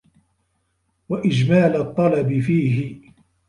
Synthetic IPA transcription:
waʔɪd͡ʒmaːlt̪ˤːɑlɑbɪfiːɦɪ

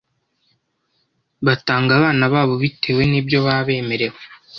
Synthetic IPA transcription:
βataːŋɡaβaːnaβaːβo̞βitʰe̞ːwe̞nibjo̞βaβe̞ːme̞ɾe̞we

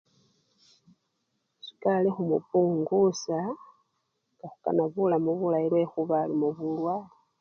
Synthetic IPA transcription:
si̥kalexumṵpuŋɡusa | ɡaxuka̰naβulamuβulailwexuβalimuβulwali

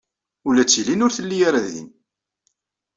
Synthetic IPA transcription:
ulæt͡sːilinʊɾθəlːijaɾaððḭn

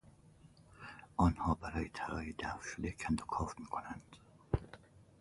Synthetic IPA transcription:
ɒːnhɒːbæɾɒːjet̪ʰælɒ̰ːjid̪æfʃod̪ekʰænd̪okʰɒfmiːkʰonænd̪̥

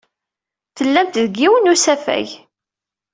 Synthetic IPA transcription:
θəlːæmt̪ðəɡːiwənusæfæ̰j

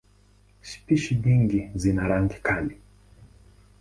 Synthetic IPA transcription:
ʃi̥piʃiɲiŋɡizinaɾaŋɡikʰali

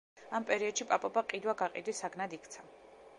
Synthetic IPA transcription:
ampʼɛɾiɔd̪̥ʃipʼapʼɔbaqʼid̪waɡaqʼḭd̪isaɡnad̪ikʰt̪sʰa

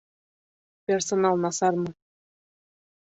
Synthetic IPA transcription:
pʲersonɑlˠnɑsɑrmɤ̆

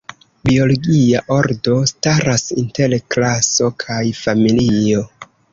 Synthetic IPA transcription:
bio̞loɡiaʔo̞ɾdo̞staɾasintelklaso̞kʰajfamilio̞

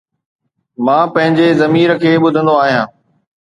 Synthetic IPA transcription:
mãːpɐ̃ɦɪ̃ɲd͡ʑezɐmiːɾəkʰeːɓʊd̪ʱə̃nd̪oaːɦijãː

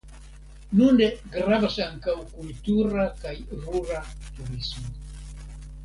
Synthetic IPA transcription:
nund̪eɡɾavasaŋkawkult̪uɾakajruɾat̪uɾismo

